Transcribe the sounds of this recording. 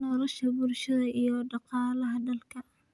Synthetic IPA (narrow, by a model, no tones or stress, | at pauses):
nɔlɐʃɐbʊrʃɐðɐʔijɔɖɑqɑːlɐɦɐɖɐlkʰɐ